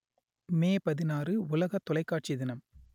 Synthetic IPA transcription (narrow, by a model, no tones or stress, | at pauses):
meːpɐðɪnaːrɯʊlɐɣɐt̪ːɔlɐɪkːaːʈ̚t͡ʃiðɪnɐm